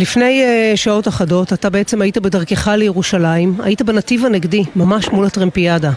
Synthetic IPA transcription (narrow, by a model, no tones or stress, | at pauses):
lifne̞jʃao̞taχado̞tatabeet͡semajitabe̞daʁkeχalejeʁuʃalaima̰jitabenativaneɡdimamaʃmulatʁempiada